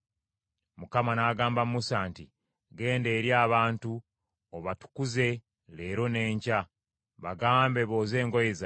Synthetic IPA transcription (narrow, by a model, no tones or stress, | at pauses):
mukamanaːɡaːmbammusaːnti | ɡe̞ːnde̞ːɾjaːβaːntu | oβatu̥kuze̞ | leːɾo̞ne̞ːɲca | βaɡaːmbe̞βo̞ːze̞ːŋɡojeza